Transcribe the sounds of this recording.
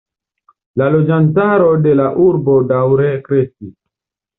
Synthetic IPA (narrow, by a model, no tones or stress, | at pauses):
lalo̞d͡ʒantaɾo̞de̞laʔuɾbo̞dawɾekɾe̞skis